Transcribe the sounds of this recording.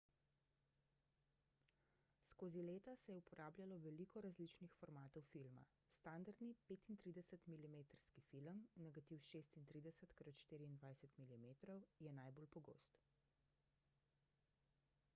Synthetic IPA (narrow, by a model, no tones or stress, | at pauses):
skoːzileːt̪asɛjɛupɔɾʔaːblʲjalɔʋɛlikɔɾazlit͡ʃnixfɔɾmaːt̪ɔwfilma̰ | st̪and̪aɾd̪nipeːt̪int̪ɾid̪ɛsət̪milimeːt̪əɾskifiləmnɛɡat̪iwʃeːst̪int̪ɾiːd̪ɛsət̪kɾot̪ʃt̪iːɾiiːnd̪ʋajsət̪milimeːt̪ɾɔwjɛnajbolpɔɡo̰ːst̪